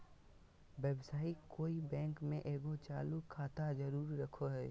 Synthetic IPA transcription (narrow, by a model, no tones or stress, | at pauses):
wɛːbsaːikoːibɛ̃ːŋkmẽʔeːɡot͡ʃaːlukʰːaːt̪ad͡ʒɐɾuːɾːɐkʰoɦɛː